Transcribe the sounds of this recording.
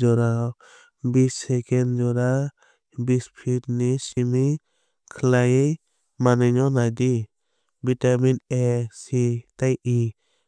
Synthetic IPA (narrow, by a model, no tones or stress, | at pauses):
d͡ʒɔɾa | bisɛkɛnd͡ʒɔɾa | bispʰitnisimi | kʰəlajej | manɛɲɔnad̪i | bitaminɛsit̪ajʔi